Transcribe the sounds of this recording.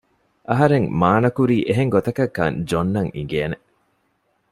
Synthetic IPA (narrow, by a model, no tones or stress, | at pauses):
ʔɐɦɐɾeŋmaːnɐkuɾiːʔeɦeŋɡot̪ɐkɐkːɐ̰nd͡ʒonːɐŋḭɡeːne